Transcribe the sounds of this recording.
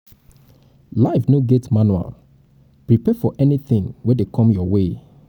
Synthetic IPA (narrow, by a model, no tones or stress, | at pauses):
laɪfnoɡetmanua̰l | pɹipɛfɔʔɛniθɪ̃ŋwɛdekʰɔ̃mjɔwe